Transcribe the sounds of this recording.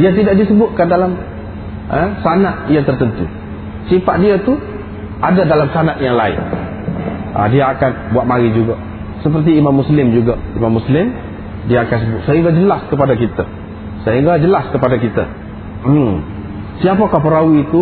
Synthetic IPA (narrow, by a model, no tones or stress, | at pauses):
diat̪̬idaʔ̚disəbʊt̪̚kandalam | əsanaʔjaŋt̪ərt̪ənt̪ṵ | sipaʔ̪̚diat̪u | ʔadadalamsanaʔ̪jaŋlaɪ̰n | ʔa̰diaːkanbuat̪̚maɾid͡ʒuɡa | səpərt̪̬iːmamːuslɪmd͡ʒuɡaimamːuslɪm | diaːkans̬əbʊt̪̚səɦiŋɡad͡ʒəlaskəpadakit̪a | səɦiŋɡad͡ʒəlaskəpadakit̪a̰ | siapakapəɾawiːt̪u